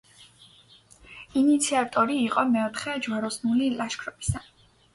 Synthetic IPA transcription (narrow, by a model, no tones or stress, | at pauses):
init̪sʰiat̪ʼɔɾiːqʼɔmɛɔt̪ʰχɛd͡ʒwaɾɔsnulilaʃkʰɾɔb̥ʼi̥sa